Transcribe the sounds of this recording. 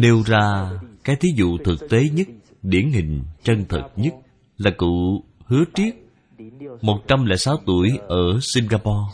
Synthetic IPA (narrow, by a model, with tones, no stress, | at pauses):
ɗe˧wzaː˧kaː˨˦jt̪ʰi˨˦zṵ˧˨t̪ʰɨ˨˩k̚t̪e˨˦ɲə˦˥t̚ | ɗi˧˩ənɦï˨˩ŋ̟t͡ɕə˧nt̪ʰɨ̰˨˩t̚ɲə˦˥t̚ | laː˨˩kṵ˧˨hɨ˨˦ət͡ɕi˦˥ət̚ | mo˨˩t̚t͡ɕa˧mlɛ̰ː˧˥jsaː˨˦wt̪u˧˩əjʔəː˧˩si˧ŋɣaː˧pɔ˧